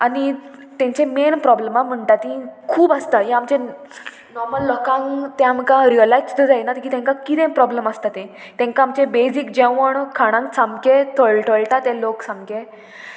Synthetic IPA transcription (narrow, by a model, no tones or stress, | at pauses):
anit̪ãɲt͡ɕẽmenpɾɔblemam̤əɳʈat̪ĩkʰuːbast̪ajãamt͡ɕẽ | nɔɾməlːɔkãŋt̪ẽamkaɾiəlajt͡st̪əd͡zajnat̪əkiːt̪ɛ̃ŋkakit̪ẽpɾɔbləmast̪at̪ẽ | t̪ɛ̃ŋkaːmt͡ɕẽbed͡zikd͡ʑẽʋəɳkʰaɽ̃ãŋkt͡sʰamket̪ʰəɭʈʰəɭʈat̪ɛ̃loksãmɡe